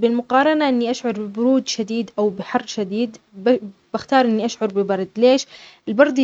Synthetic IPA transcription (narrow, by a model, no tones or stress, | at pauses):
bɪlmʊqɑːɾˤɑnaʔɪnːiʔaʃʕʊɾˤbɪbʊɾuːd̪ʃad̪iːd̪ʔawbɪħɑrˤːʃad̪iːd̪ | bb̥axt̪ɑːɾˤʔɪnːiʔaʃʕʊɾˤbɪbɑɾˤd̪leːʃɪlbɑɾˤd̪ˤ